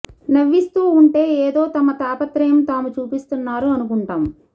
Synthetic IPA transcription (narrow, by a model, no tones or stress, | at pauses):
nɐʋːist̪uːuɳʈe̞ːeːd̪o̞ːt̪ɐmɐt̪aːpɐt̪ɾɐjɐmt̪aːmut͡ʃuːpist̪unːaːɾuɐnukuɳʈaːm